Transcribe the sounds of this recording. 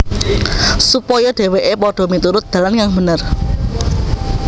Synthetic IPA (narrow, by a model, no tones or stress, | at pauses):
supɔjɔɖ̥e̤weʔepɔɖ̥ɔ̤mit̪uɾʊt̪̚d̪̥a̤lankaŋbə̤nər